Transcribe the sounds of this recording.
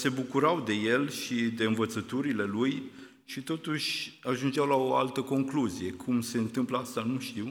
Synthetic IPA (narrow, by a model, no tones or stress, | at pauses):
se̞bukuɾawd̪e̞je̞lʃid̪e̞ɨnvət̪sət̪uɾile̞luj | ʃit̪o̞t̪uʃʲaʒund͡ʒeawlaoa̰lt̪əko̞ŋkluzije̞kʰumse̞ɨnt̪ɨmpləast̪anuʃt̪iw